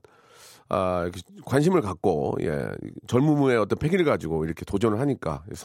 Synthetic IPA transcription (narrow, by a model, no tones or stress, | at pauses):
ajʌkʰekwanɕ̬ʰimɯɭkak̚k͈ojḛt͡ɕʌɭmumue̞ʌt͈ʌnpʰe̞ɡiɭɡad͡ʑiɡoiɾʌkʰe̞tod͡ʑʌnɯɭhaɲik͈a̰jḛsʰ